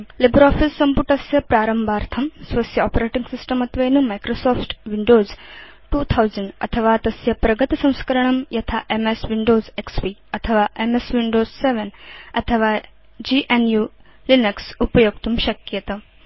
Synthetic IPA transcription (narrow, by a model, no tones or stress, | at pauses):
libɾɔːfisːɐmpuʈɐsjɐpɾaːɾɐmbʱaːɾt̪ʰɐmsʋɐsjɐɔːpɾeːʈiŋɡsisʈɐmɐt̪ʋeːnumajkɾosoːfʈʋiɳɖoːz | ʈuːt̪ʰɐwzɐɳɖɐ̰t̪ʰɐʋaːt̪ɐsjɐpɾɐɡɐt̪isɐ̃w̃skɐɾɐɳ̃ɐmjɐt̪ʰaʔemesʋiɳɖoːzekspiːɐt̪ʰɐʋaːʔemesʋiɳɖoːzseʋenɐt̪ʰɐʋaː | d͡ʒiːʔenjuː | linɐksupɐjoːɡ̚t̪umʃɐkjɐt̪ɐ